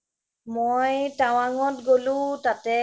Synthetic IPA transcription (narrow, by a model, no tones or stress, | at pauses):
mojtaw̃aŋɔtɡolʊ̃tatɛ